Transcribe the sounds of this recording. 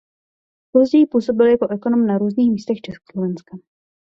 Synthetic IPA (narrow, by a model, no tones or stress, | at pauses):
pozdiːpuːso̞bɪljako̞ʔɛko̞no̞mnaɾuːzniːxmiːst̪ɛxt͡ʃɛsko̥slovɛnska